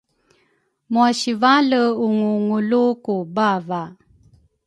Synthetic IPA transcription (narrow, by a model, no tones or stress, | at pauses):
muaɕivaləuŋuŋulukubava